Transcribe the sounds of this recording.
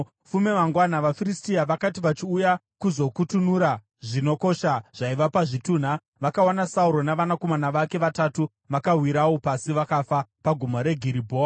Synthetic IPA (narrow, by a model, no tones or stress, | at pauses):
fume̞ʋaŋɡwanaʋafiristiaʋakatiʋat͡ʃiuja | kuzo̞kutunuɾa | ʐino̞ko̞ʃaʐ̥aiʋapaʐituːn̤a | ʋakaonasauɾo̞naʋanako̞manaʋake̞ʋatatu | ʋakawiɾawo̞pasiʋakafapaɡʱumoɾe̞ɡʱiɾibʱoːa